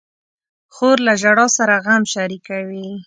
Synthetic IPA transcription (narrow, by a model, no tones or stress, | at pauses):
xoɾlaʒaɽɑsaɾaɣamʃaɾikawi